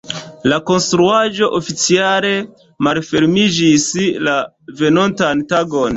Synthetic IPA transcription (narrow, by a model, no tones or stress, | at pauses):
lako̞nstɾuaʒo̞ʔofit͡siale̞ | malfe̞ɾmid͡ʒisla | ve̞no̞ntantaɡo̞n